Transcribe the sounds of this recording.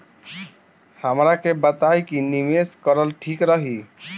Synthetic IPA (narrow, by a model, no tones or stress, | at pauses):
həmɾakebət̪ajkinimeskəɾəlʈʰikɾəɦi